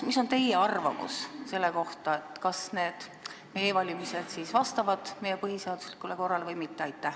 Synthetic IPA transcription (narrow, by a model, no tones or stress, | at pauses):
miso̞nt̪e̞jeɑrvɑ̰mṵsse̞lːe̞ko̞ht̪ɑe̞t̪ːˑkɑsne̞ːd̪̥ | me̞jevɑlʲimise̞d̪̥siːsvɑst̪ɑvɑd̪̥me̞jepɤɦhiseɑd̪uslikːˑuleko̞rːɑlevɤjmit̪ːeɑjt̪ːˑæh